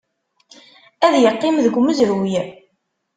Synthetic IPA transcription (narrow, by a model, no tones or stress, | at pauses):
æðjəqːɪmðəɡʷməzɾj